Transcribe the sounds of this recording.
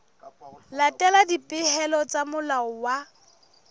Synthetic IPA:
latʼɛladipʼɪhɛlɔt͡sʼamʊlaɔwa

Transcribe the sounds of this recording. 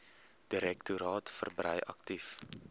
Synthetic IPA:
d̥iɾɛktuɾɑːtfə̰rbɾəjʔɐ̰ktif

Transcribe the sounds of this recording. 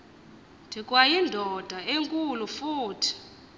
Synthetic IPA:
dʰʱikʼwajindʱɔd̥ʱaeŋkʼulufuːtʰi̥

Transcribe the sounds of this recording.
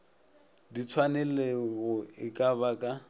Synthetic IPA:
dit͡sʰwanɛleɣʊɪkʼaβakʼa

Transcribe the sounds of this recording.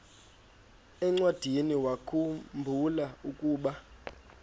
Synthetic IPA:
ɛŋ͡ǀwad̥ʱiniwakʰumbʱulaukʼuːɓa

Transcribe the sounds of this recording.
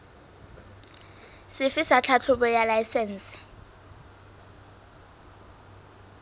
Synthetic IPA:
sɪfisat͡ɬʰat͡ɬʰuɓɔjalajsɛns

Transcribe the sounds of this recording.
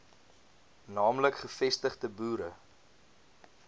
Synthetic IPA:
nɑːmləkχəfɛstəχtəbuːɾə

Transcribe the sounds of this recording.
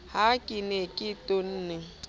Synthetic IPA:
hakʼinekʼɪton̩ːnɛ

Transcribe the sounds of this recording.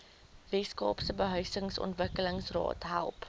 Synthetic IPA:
vɛskɑ̰ːpsəbəɦœɥsəŋsɔ̰ntvəkələŋsrɑ̰ːtɦæ̰lˠp

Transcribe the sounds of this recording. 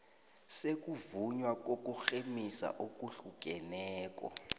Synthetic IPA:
sek̬ʼuvuɲwak̬ʼok̬ʼuxemisa̰ʔok̬ʼuɬuk̬ʼɛnɛːk̬ʼɔ̰

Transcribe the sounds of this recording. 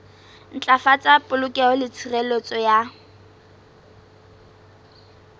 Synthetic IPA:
n̩t͡ɬʼafat͡sʼapʼʊlʊkʼɛɔlɪt͡sʰirelot͡sʼɔja

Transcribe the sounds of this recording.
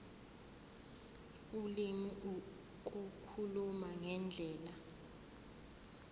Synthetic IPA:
ulimi | k̬ʼukʰulumaŋɛnd͡ɮʱɛːla

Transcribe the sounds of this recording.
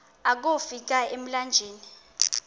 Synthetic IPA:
ak̬ofik̬aem̩land͡ʒʱeːni

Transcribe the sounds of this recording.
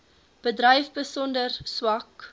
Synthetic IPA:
b̥ədrəjfbəsɔndərswɐk

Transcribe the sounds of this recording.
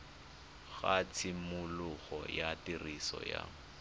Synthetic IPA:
ɣat͡sʰɪmʊlʊɣɔjatirisɔ̰ja

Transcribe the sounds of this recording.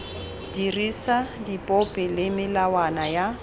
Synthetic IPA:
dirisadipʼɔpʼɛlɪmɪlawanaja

